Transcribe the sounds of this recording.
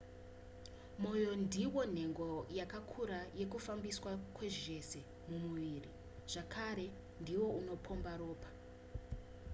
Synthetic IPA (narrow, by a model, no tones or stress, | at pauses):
mo̞jo̞ndiwo̞n̤e̞ŋɡo̞jakakʰuɾaje̞kufambiswakwe̞ʐie̞se̞ | mumuʋiri | ʐ̥akʰaɾe̞ | ndiwo̞uno̞pʰo̞mbaɾo̞ːpḁ